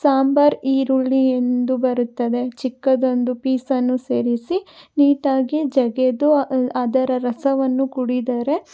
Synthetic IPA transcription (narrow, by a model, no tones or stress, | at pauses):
saːmbɐɾiːɾuɭːie̞nd̪ubɐɾut̪ːɐd̪e̞t͡ʃikːɐd̪o̞nd̪upiːsɐnːuseːɾisiniːt̪aːɡid͡ʒɐɡed̪uad̪ɐɾɐɾɐsɐʋɐnːukuɽid̪aːɾe̞